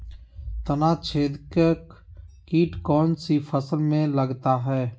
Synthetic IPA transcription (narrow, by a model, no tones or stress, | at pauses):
t̪ənaːt͡ʃʰeːd̪kek | kiːʈkɔːnsifəsəlmẽlɐɡt̪aɦɛː